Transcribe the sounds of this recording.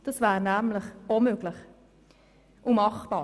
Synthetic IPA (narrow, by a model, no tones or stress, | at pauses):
d̥ɑsvæːɾnæmləχomøɡlɪχ | ʔumɑχb̥ɑː